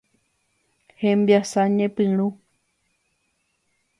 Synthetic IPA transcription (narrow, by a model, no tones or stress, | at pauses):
hẽmbjasaɲẽpɨ̃ɾ̃ũ